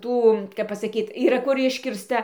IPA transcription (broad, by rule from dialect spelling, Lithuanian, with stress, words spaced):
ˈtuː kɐp pɐsɐˈkʲiːt iːˈrɐ kʊr ˈɪʃʲkʲɪrstɐ